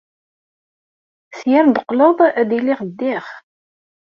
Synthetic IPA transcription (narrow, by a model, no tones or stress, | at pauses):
sjæɾb̪əqləðˤæd̪iliʁd̪ːɪχ